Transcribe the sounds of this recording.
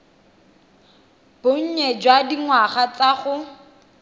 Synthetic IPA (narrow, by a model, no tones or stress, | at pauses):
b̥oɲ̩ɲɛd͡ʒwadiŋwaχat͡saχʊ